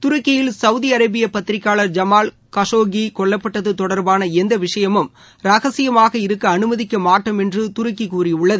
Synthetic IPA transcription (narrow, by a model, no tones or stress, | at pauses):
t̪ʊɾʊkːɪjɪlsɐʋʊðiɐɾɐbɪjɐpɐt̪ɪɾɪkːaːɭɐɾd͡ʒɐmaːl | kɐʂoːɡikɔɭːɐpːɐʈːɐðɯt̪ɔɽɐɾbaːnɐɛnd̪ɐʋɪʂɐjɐmɯm | ɾɐɣɐsɪjɐmaːɣɐɪɾɯkːɐːnɯmɐðɪkːɐmaːʈːɐmɛndrɯt̪ʊɾʊkːikuːrɪʊɭːɐðɯ